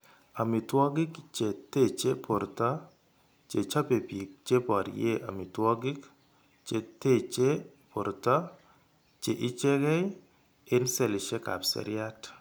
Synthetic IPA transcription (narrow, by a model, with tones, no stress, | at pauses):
a˨mi˨twɔ˦ɡɪ˦kt͡ʃe˨t̪e˦˨t͡ʃe˦pʰo˨ɾt̪ɔ˦ | t͡ʃe˨t͡ʃa˦pe˨pi˨k̚t͡ʃe˦pɔ˨ɾje˦ʔa̰˨mi˨twɔ˦ɡɪ˦k | t͡ʃe˨t̪e˦t͡ʃe˦ | pʰo˨ɾt̪ɔ˦ | t͡ʃe˨ʔɪ˦t͡ʃe˦ɡɛ˦j | ɪ˦nse˦lɪ˨ʃe˦ka̰˨psḛ˨ɾɪa˦t